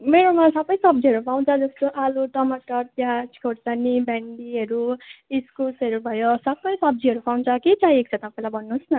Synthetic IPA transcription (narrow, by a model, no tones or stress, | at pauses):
meɾomasʌbʌjsʌb̚d͡ziɦʌɾupaw̃nt͡sʰʌd͡zʌst̪oʔaluʈʌmaʈʌrpjaskʰoɾsanibaɳɖiʌɾuiskulsʌɾubʱʌjosʌbʌjsʌb̚d͡ziɦʌɾupaw̃nt͡sʰʌkit͡saĩek̚t͡sʰʌt̪ʌpaĩlajbʱʌnːusnʌ